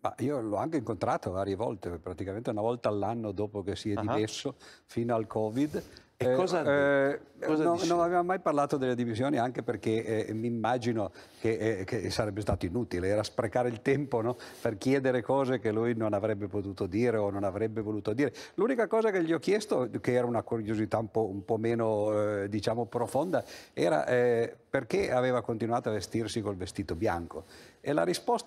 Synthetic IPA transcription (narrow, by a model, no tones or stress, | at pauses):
ma̰iːolɔaŋkeiŋkont̪ɾaːt̪ovaːɾjevɔ̰lt̪epɾat̪ikament̪eunavɔlt̪aːlːanːod̪oːpokesiɛd̪ivɛsːofiːnoalkʰɔːvid̪ | kɔ | nonnonaveːvamomajparlaːt̪od̪elːed̪imisjoːniaŋkeperkemiːmːaːd͡ʒinokekesaɾɛbːest̪aːt̪oinuːt̪ileɛːɾaspɾekaːɾeilt̪ɛmponɔperkjɛːd̪eɾekɔːzekelujnonavɾɛbːepot̪uːt̪od̪iːɾeononavɾɛbːevoluːt̪od̪iːɾelunikakɔːzakeʎːiɔkːjɛst̪okeɛːɾaunakuɾjozit̪aumpɔumpɔmeːnod̪it͡ʃaːmopɾofond̪aɛːɾa̰ʔɛperkeaveːvakont̪inuaːt̪oavest̪irsikolvest̪iːt̪obja̰ŋkoela̰ɾispost̪